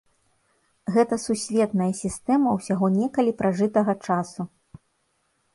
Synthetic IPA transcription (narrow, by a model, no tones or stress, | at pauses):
ɣɛt̪ɐsusʲvʲɛt̪nɐjɐsʲist̪ɛmɐwsʲaɣɔnʲɛkɐlʲipɾaʐɨt̪ɐɣɐt͡ʂasu